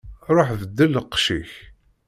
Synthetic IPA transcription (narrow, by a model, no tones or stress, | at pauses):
ɾˤoħvəd̪ːəlːəqʃiç